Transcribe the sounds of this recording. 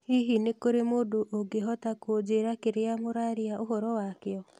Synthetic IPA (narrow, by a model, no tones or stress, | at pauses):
hiɦinekoɾemodoʔoɡeɦɔtakod͡ʒeɾakeɾeamoɾaɾiaoɦɔɾɔwakeɔ